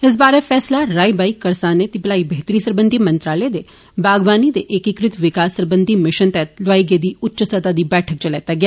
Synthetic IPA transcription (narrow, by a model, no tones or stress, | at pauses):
ɪs̬baːɾefʰɛːslaɾaːibaːikɐɾsaːnet̪ipəlaːibəɦt̪ɾiːsəɾbə̃nd̪ʱimɐ̃nt̪ɾaːled̪e | baːɡʋaːnid̪eʔekikɾɪt̪ʋɪkaːsːəɾbə̃nd̪ʱimɪʃənt̪ɛt̪lʋaːiɡed̪iːʊtːʃəst̪ət̪ad̪iːbɛːʈʰək̚t͡ʃɐlɛːt̪aɡɪjaː